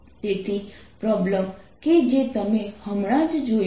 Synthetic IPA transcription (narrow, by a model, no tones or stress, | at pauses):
t̪et̪ʰi | pɾɔbləm | ked͡ʒet̪əmehəmɽ̃ad͡ʒd͡ʒo